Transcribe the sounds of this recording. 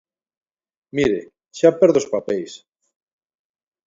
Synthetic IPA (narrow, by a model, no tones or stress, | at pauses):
miɾe | ʃapeɾðospapejs